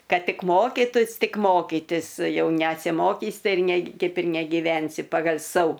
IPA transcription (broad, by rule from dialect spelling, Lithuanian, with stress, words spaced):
ˈkɐt ˈtʲɪk ˈmoːkʲiːtʊs ˈtʲɪk ˈmoːkʲiːtʲɪs ˈjɛʊ nʲɛsʲɪˈmoːkʲiːs ˈtɐɪ ɪr nʲɛ ˈkɐɪp ɪr nʲɛɡʲɪˈʋʲɛnʲsʲɪ pɐɡɐlʲ ˈsɐʊ